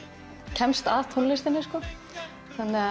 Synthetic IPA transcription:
cʰɛmst̪aːðt̪ʰonlɪst̪ɪnːɪskɔ | θanːɪa

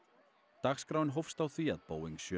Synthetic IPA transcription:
t̪axskɾawɪnɦowfst̪awθia̰ðpoːwiŋsjœ

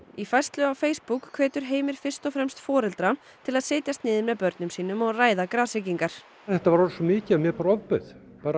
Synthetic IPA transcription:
ifajrst̪lʏawfeːjspukʰːvɛːt̪ʏɾ̥ɦeːjmɪɾ̥fɪr̥st̪ɔfɾɛmst̪fɔːɾɛlt̪ɾa | t̪ʰɪlaðsɪːt̪jast̪nɪːðɪmːɛðpœɾt̪nʏmsiːnʏmɔɣraːjðakɾaːsɪciŋkaɾ̥ | θɛht̪avaɾɔɾsɔmɪːcɪamjɛɾpaɾɔvpʏð̥ | paːɾa

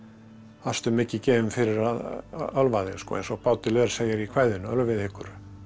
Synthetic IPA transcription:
ast̪ʏmːɪcɪcɛːvɪmfɪɾɪɾaðœlvaðɪnskɔ̰ḛnsɔɣpaːwt̪ɪlɛɾseːjɪɾikʰv̥ajðʏnaœlvɪðɪhkʏɾ̥

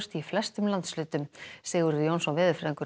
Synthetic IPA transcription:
st̪iflɛst̪ʏmlant̪slʏːt̪ʏmsɛːɣʏɾjownsɔnvɪːðʏɾfɾɛðiŋkʏ

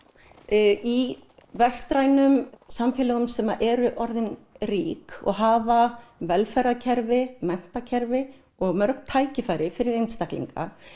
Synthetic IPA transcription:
i | vɛr̥st̪ɾaːjnʏmsamfɪːlaɣʏmsɛmaʔɛɾʏʔɔɾðɪnriːkɔ̰ɣɦaːvavɛlfajɾðacʰɛɾvɪmɛn̥t̪acʰɛɾvɪ | ɔɣmœɾknt̪ʰaːjcɪfaːjɾɪfɪɾɪɾejnst̪aklḭŋka̰

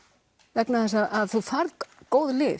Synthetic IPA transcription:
vɛknaθɛsaaðθufaɾðkoːwðlɪː

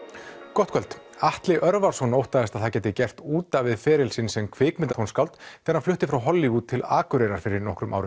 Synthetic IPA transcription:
kɔht̪kʰœlt̪aht̪lɪʔœɾvaɾ̥sɔnowht̪aðɛst̪aðθawcɛːt̪ɪcɛr̥t̪uːt̪avɪðfɛːɾɪlsɪnsɛmkʰvɪːkmɪnt̪ahunskawlt̪θʰɛnːaɾflʏht̪ɪfɾawɦɔlːiuːt̪ʰːɪlaːkʏɾɛɾaɾ̥fɪɾɪɾnɔhkɾʏmʔa̰wɾʏm

